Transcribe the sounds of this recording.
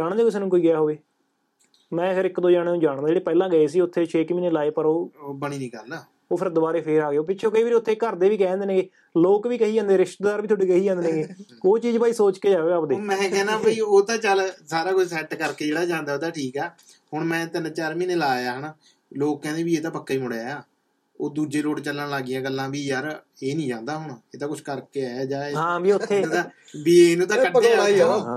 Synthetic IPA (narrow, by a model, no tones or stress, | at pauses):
d͡ʒaːɽ̃d̪aːkɪs̬eːnũːkoːiːɡɪjaːɦoːʋeː | mɛ̃ːkʰəɾɪkd̪õːd͡ʒaːɽ̃ːũːd͡ʒaːɽ̃d̪aːd͡ʒeːɽeːpɛːlãːɡəeːs̬iːʊt̪ʰːeːt͡ʃʰeːkmiːneːlaːeːpəɾoːbəɳ̃iːnĩːkəɾd̪aː | oːpʰɪɾd̪obaːɾeːpʰeːɾaːɡeoːpɪtːʃʰõːkəiːbɪɾʊt̪ʰːeːkəɾd̪eːʋiːkɛ̃ːnd̪eːnẽːeː | loːkʋiːkəɦiːãːnd̪eːɾɪʃʈ̪d̪aːɾʋiːt̪ʰoːɖiːkəɦiːãːnd̪nẽːɡeː | oːt͡ʃiːd͡ʒpaːiːsoːt͡ʃkeːd͡ʒaːeːəpd̪eːmɛ̃ːkɛːnãːbəiːoːt̪ãːt͡ʃəlsaːɾaːkʊt͡ʃʰsɛːʈkəɾkeːd͡ʒeːɽaːd͡ʒãːnd̪aːoːd̪aːʈʰiːkɛː | hʊɳmɛ̃ːt̪ɪnt͡ʃaɾmĩːneːlaːjaːɦənː | loːk̚kɛ̃ːnd̪ẽːbiːeːt̪ãːpəkːaːiːmʊɽaːjaː | oːd̪uːd͡ʒeːloːɽt͡ʃəlːənlaːɡɪijãːɡəlːãːbiːjəɾ | eːnĩːd͡ʒãːnd̪aːɦʊɳeːt̪ãːkʊt͡ʃʰkəɾkeːaːaːd͡ʒaːɦãːbiːʊt̪ʰːẽːt̪ãː | biːeːnũːt̪ãːkəɖeːa